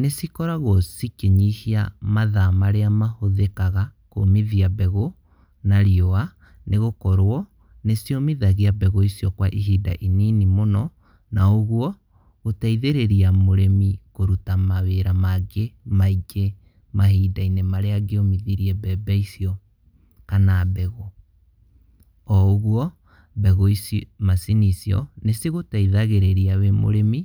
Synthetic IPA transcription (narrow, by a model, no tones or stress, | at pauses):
nesikɔɾaɣosikeɲihiamaðamaɾeamahoðekaɣakomiðiabɛɣo | naɾiɔa | neɣokɔɾwɔ | nesijomiðaɣeabɛɣɔisiɔkwaʔiɦiːda̰ʔininimonɔ | naoɣwɔ | otaiðeɾeɾiamoɾemikoɾutamaweɾamaɡemaiɡe | maɦiːdainemaɾeaɡeomiðiɾiɛbɛbɛisiɔ | kanabɛɣɔ | ɔoɣwɔ | bɛɣɔismasinisiɔ̰neseɣotaiðaɣeɾeɾiawemo̰ɾemi